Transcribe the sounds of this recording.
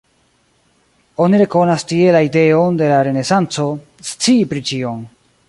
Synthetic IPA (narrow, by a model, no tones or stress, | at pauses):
o̞niɾe̞ko̞nastie̞laide̞onde̞laɾe̞ne̞sant͡so̞ | st͡siːpɾit͡ʃio̞m